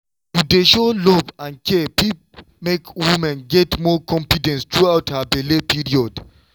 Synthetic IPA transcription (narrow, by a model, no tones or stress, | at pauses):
tudeʃolɔvãnkʰɛpip | mekwimɛ̃nɡɛtmɔkʰɔ̃ɱfidɛ̃nst̪ɹuawthabɛlepiɹiɔd